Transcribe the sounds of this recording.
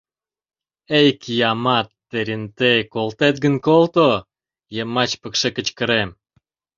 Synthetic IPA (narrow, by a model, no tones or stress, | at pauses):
ejkjɑmɑt̪ːeɾʲint̪ekolt̪et̪̚ɡənkolt̪o | jemɑt͡ɕpəkʃekə̆t͡ɕkə̆ɾem